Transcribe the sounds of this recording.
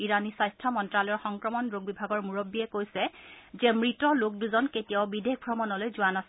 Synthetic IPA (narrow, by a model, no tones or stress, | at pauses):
iɹanisajstʰɔmɔntɹalɔɔɹxɔŋkɹɔmɔnɹoɡ̚bibʱaɡɔɹmuɹobːiɛkojsɛzɛmɹitɔlok̚duzɔnketijaʊbidek̚ʰbʱɹɔmɔnɔlojzʊanasɛ